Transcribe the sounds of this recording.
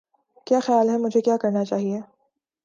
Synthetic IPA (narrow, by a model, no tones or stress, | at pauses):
kjaːxjaːlɦɛmʊd͡ʒʱekjaːkɐɾnat͡ʃaːɦieː